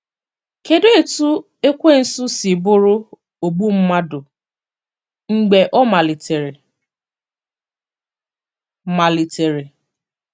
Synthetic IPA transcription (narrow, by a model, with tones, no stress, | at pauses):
ke˨do˦e˨tu˦ | e˦kʷe˦n̩˦su˦si˨bʊ˦ɾʊ˦ | o˨bu˦m̩˦ma˦dʊ˨ | ŋ͡m̩˨ɡ͡be˨ʔɔ˦ma˨li˨te˨ɾe˨ | ma˨li˨te˨ɾe˨